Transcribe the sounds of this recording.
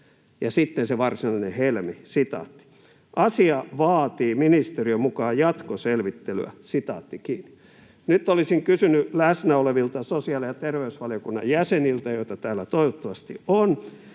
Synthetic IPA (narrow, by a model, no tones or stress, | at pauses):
jɑsit̪ːenseʋɑrsinɑlinehelmisit̪ɑ̰ːt̪ːi̥ | ʔɑsiɑʋɑːt̪iːminist̪eriømukɑːjjɑt̪koselʋit̪ːely̰æ̰sit̪ɑ̰ːt̪ːikiːnːi̥ | nyt̪ːˑolisiŋkysynylæsnæoleʋilt̪ɑsosiɑlijɑt̪erʋeysʋɑliokunːɑ̰jjæsenilt̪æjoit̪ɑt̪æːlːæt̪oiʋot̪ːɑʋɑst̪ḭon